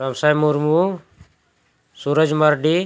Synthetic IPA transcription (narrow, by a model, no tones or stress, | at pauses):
ɾɐmsajmuɾmu | suɾəd͡ʒməɾɖi